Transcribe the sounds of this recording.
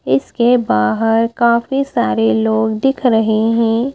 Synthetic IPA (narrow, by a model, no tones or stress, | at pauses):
ɪskebaːɦəɾkaːfisaːɾeloːɡd̪ɪkʰɾɐɦeɦɛ̃ː